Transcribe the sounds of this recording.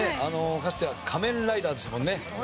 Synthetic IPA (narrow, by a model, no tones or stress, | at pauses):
eano̞kasɨ̥t̪eakʰamẽ̞nɾaid̪aːd̪e̞sɨmõ̞nːe̞